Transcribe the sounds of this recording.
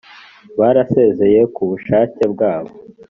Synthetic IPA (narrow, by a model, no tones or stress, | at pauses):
βaːɾase̞ːze̞je̞kuβuʃaːce̞bɡaːβoo